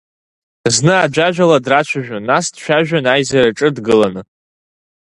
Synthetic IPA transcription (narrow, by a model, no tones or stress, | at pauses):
znɨad͡ʒʷaʒᶣaladrat͡ʃʷʰaʒᶣanːasdʃᶣaʒᶣanajzaɾaʈ͡ʂʼɨdɡɨlanɨ